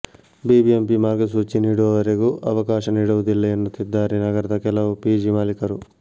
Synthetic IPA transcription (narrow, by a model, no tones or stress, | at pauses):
biːbiempimaːɾɡsuːt͡ʃːiniːɽoːʋɐɾeɡuʔɐʋɐkaːʃɐniɽɐʋud̪ilːɐjɐnːɐt̪id̪ːaːɾinɐɡɐɾɐt̪ɐkɛlɐwupiːd͡ʒimaːlikɐɾu